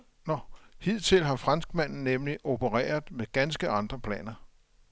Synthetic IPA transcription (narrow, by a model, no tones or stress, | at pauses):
nɒhið̰ˠt͡sʰe̝lɦɑ̈fʁɑ̈nsɡ̥mæn̰n̩nemliʔo̝pʰəʁɛ̰ːɐð̩ˠmeɡ̥ænsɡ̥əɑ̈nd̥ʁɐpʰlɛ̰ːnɐ